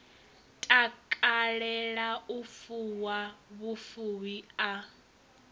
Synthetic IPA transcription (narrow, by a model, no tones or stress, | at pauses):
tʼakʼaɺɛɺaufuwaβufuwia